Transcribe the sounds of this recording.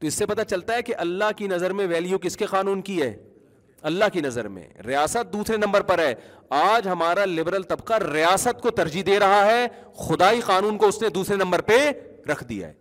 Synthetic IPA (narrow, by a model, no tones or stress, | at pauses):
t̪oɪsːepɐt̪at͡ʃɐlt̪aɦɛkeʔɐlːaɦkinɐzəɾmẽʋɛːlijukɪskeqaːnuːnkiɦɛ̰ː | ɐlːaɦkinɐzə̰ɾmḛ̃ɾɪjaːsət̪̚d̪uːsɾenɐ̃mbəɾpɐɾɦɛː | aːd͡ʒɦɐmaːɾalɪbɾəlt̪ɐbqaɾɪjaːsət̪kot̪ɐɾd͡ʒid̪eːɾɐɦaɦɛ | xʊd̪aːiqaːnuːnkoʊsned̪uːsɾenɐ̃mbəɾpe | ɾɐkʰd̪ḭja̰ɦɛ̰ː